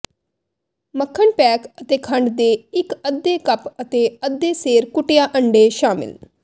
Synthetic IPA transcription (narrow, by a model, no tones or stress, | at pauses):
məkʰːəɳpɛːkət̪eːkʰə̃ɳɖd̪eːɪkəd̪ːeːkəpət̪eːəd̪eːseːɾkʊʈejaːʔəɳɖeːʃaːmɪ̰l